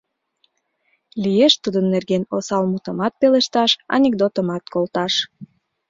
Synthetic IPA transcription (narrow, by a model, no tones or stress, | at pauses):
lijeʃt̪ud̪ənːerɣenosɑlmut̪əmɑt̪̚peleʃt̪ɑʃɑ̰nʲek̚d̪ot̪əmɑt̪kolt̪ɑʃ